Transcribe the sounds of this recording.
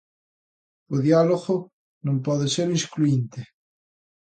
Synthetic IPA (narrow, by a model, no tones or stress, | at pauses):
oðjaloɣo | nõmpɔðeseɾiskluint̪e